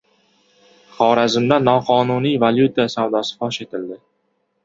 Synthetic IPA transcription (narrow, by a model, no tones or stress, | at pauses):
χɒːɾazɪmd̪anːɒqʰɒnunijvaljut̪ʰasawd̪ɒsɪ̥fɒʃe̞t̪ʰɪld̪ɪ